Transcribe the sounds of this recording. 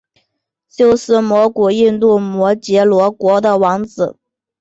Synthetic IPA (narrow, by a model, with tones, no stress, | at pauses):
t͡ɕjo˥˧ʊʂɹ̩˥˩mwɔ˧˥ku˨˩i˥˧nt̪u˥˩mwɔ˧˥t͡ɕjɛ˧˥lwɔ˧˥kwɔ˧˥d̪ə˧wɑ˧˥ŋt͡sɹ̩˨˩˦